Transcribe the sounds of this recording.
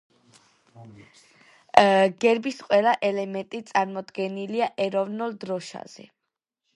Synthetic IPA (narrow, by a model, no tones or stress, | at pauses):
ɡ̥ɛɾbisqʼwɛlˠaʔɛlɛmɛnt̪ʼit̪sʼaɾmɔd̪ɡɛniliaʔɛɾɔvnulˠd̪ɾɔʃa̰z̥ɛ̰